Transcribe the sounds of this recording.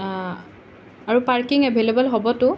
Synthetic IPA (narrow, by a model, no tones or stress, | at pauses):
aɹupaɹkiŋɛbʱelebɔlɦɔbɔtʊ